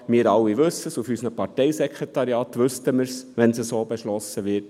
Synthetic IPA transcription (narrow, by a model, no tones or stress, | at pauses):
miːɾɑwːiʋɵsːəsufysnəpʰɑɾtɛɪsɛkʰʁetɑɾjɑːtʋɵstəməɾsʋɛnsəsoːbeʃlɔsəʋɪt